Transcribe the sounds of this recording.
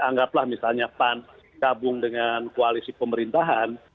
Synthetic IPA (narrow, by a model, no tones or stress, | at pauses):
aŋɡaplahmisalɲapan | kabʊŋdəŋankoalisipəməɾint̪aɦan